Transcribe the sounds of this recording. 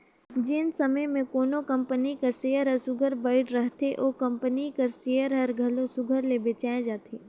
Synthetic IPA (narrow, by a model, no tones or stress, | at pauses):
d͡ʒɪnsɐməjmẽkoːnokɐ̃mpənikɐseːjəɾɦəsʊɡʱəɾbaːɪʈɾɐɦt̪eʔoːkɐ̃mpənikɐɾseːjəɾɦɐɾɡʱɐlosʊɡʱəɾlebet͡ʃaːẽd͡ʒaːt̪ʰeː